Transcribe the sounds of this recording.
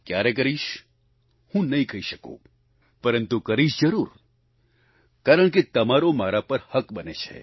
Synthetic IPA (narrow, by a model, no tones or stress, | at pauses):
kjaɾek̬əɾiʃ | hũnɐĩkʰəɦiʃəko̰ | pəɾənt̪ukəɾiʃd͡ʒəɾuɾ | kaɾəɳket̪əmaɾomaɾapəɾhəkbənet͡ʃʰḛ